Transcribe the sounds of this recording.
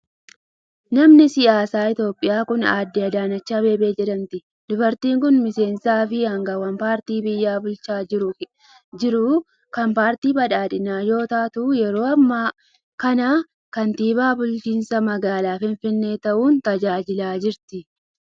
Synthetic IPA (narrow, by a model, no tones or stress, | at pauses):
nɐmnɪsɪjaːsaːɪt̪jo̞ːpʼːɪjaːkʊnaːd̪ːɪɐd̪aːnɐt͡ʃːaːbe̞ːbeːd͡ʒɛᶑɐnt̪ɪ | d̪ʊbɐɾt̪iːŋkʊnmɪse̞ːnsaːfɪɐŋɡɐwɐmpaːɾt̪iːbɪjːaːbʊlt͡ʃaːɪɾʊ | d͡ʒɪɾʊ | kɐmpaːɾt̪iːbɐᶑaːᶑɪnaːjo̞ːt̪aːt̪ʊjɛɾo̞ːɐmːaː | kɐnaː | kɐnt̪iːbaːbʊlt͡ʃiːnsɐmɐɡaːlaːfɪɱfɪnːe̞ːt̪ɐʔuːnt̪ɐd͡ʒaːd͡ʒɪlaːd͡ʒɪɾt̪ɪ